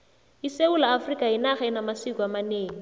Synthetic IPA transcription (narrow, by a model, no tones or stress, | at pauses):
iseulaːfrikʼainaχaɪnamasikʼuamaneːŋ̩